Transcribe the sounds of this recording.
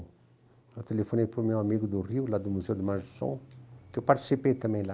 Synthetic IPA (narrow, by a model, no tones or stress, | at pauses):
ət̪elefɔnepɾumjɛ̃amiɡud̪uriwlad̪umuzeod̪əmãʒsɔ̰̃kiopart̪i̥sipet̪ãmɛ̃la